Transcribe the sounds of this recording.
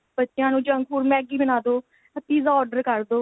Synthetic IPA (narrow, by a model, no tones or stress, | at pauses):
bətːʃɪjãːnũːd͡ʒə̃ŋɡkʰpuːɾmɛ̃ːɡiːbənaːd̪oː | ət̪iːzaːɔːɖəɾkəɾd̪oː